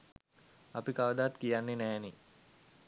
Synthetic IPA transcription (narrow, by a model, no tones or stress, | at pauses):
apikaʋəd̪at̪kijanːenæːni